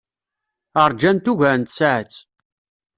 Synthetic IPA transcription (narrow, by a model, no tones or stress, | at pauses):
əɾˤd͡ʒænt̪uʝæɾnt̪saʕət͡sː